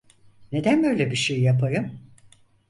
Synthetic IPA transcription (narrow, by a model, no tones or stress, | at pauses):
ne̞d̪ænbø̞jlʲebiʃejjapʰaɾɯm